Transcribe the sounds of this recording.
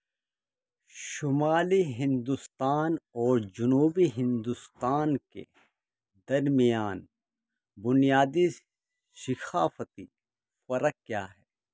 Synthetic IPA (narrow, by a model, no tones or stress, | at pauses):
ʃʊmaːliɦɪ̃nd̪ust̪aːnɔːɾd͡ʒʊnuːbiɦɪ̃nd̪ust̪aːnkḛ | d̪ɐɾmijaːn | bʊnijaːd̪i | sɪxʰaːfət̪i | fɐɾəkːjaːɦɛː